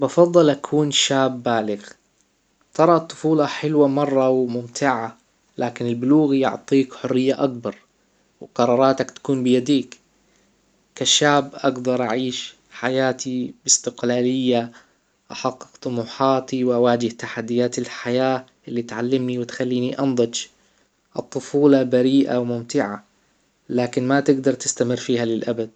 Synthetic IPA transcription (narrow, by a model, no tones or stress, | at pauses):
bɑfɑðˤːɑlʔakʰuːnʃaːbːaːlɪɣ | t̪ʰɑɾˤɑt̪ˤːʊ̥fuːlɑħɪlwamɑrˤːɑwmʊmt̪ʰɪʕa | laːkɪnɪlbɪluːɣjʊ̰ʕt̪ˤiːkħʊrːɪjːaʔakbɑɾˤ | wqɑɾˤɑːɾˤɑːt̪akt̪ḁkuːnbɪjad̪iːk | kaʃːaːbʔaɡd̪ɑɾˤʔa̰ʕiːʃ | ħajaːt̪ibɪst̪ɪqlaːlɪjːa | ʔaħɑqːɨ̥qt̪ˤʊmuːħɑːt̪iwʔawaːd͡ʒɪht̪aħad̪ːɪjaːt̪ɪlħajaːʔɪlːit̪ʕalːɪmniwɪt̪xalːiːniʔɑnd̪ˤɨd͡ʒ | ʔɨt̪ˤːʊfuːlɑbaɾiːʔa̰wmʊmt̪ɪʕa̰ | laːkɪnmat̪ɪɡd̪ɑɾˤt̪ɪ̥st̪amɪrːfiːhalɪlʔabad̪̚